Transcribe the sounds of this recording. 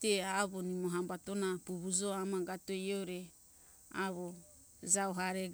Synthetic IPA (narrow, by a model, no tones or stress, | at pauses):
teaβo̞nimoɦambato̞napuβud͡ʒo̞amaɡatoejoɾe | aβo | zawɦaɾeɡ